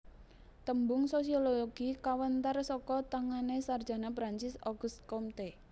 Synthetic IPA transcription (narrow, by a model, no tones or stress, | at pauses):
t̪əmbʊŋsosiololoɡ̥ikawənt̪arsɔkɔt̪aŋanesardʒ̥a̤napɾaɲt͡ʃɪsɔɡ̥ṳst̪̚kɔmt̪e